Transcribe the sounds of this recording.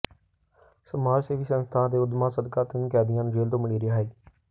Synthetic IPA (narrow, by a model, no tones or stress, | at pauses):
səmaːɾseːʋiːsənst̪ʰãːd̪eːʊd̪maːsəd̪kaːt̪ɪnkɛːd̪ɪjãːnd͡ʒeːlt̪õːmɪɽiːɾɪjaːɦeː